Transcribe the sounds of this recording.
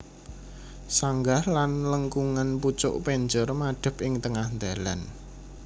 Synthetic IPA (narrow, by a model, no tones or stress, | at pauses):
saŋɡahlanləŋkuŋanput͡ʃʊ̰ʔpeɲd͡ʒərmaɖ̥ə̤pʔɪŋt̪əŋahnd̪ala̰n